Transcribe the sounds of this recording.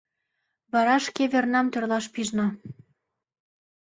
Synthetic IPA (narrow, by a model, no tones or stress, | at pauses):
βɑɾɑʃkeβernɑmt̪ø̆rlɑʃpiʒnŏ